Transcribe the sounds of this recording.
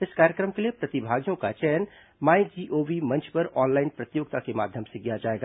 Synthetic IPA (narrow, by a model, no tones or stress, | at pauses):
ɪskaːɾjəkɾəmkeliepɾɐt̪ibʱaːɡijõkat͡ʃɛn | maːid͡ʒiːʔoːbimɐ̃nt͡ʃʰpɐɾɔːnlaːɪnpɾət̪joːɡ̚t̪akema̰ːd̪ʱjəmseɡijad͡ʒaːeɡa